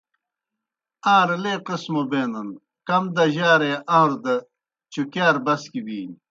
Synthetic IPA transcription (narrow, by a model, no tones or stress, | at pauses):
ãːɾleːqismobeːnɐn | kɐmd̪ɐʑaːɾeʔaɾd̪ɐ | t͡ɕukjaːɾbɐskibiːn